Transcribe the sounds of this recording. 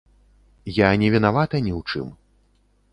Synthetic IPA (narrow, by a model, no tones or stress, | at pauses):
janʲɛvʲinavat̪ɐnʲiwt͡ʂɨ̰m